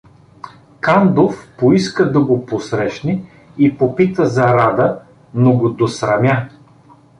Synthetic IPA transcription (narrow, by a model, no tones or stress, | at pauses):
kand̪ofpoiskəd̪ɐɡoposɾɛʃni | ipopit̪əzɐɾad̪ə | noɡod̪osɾɐmʲja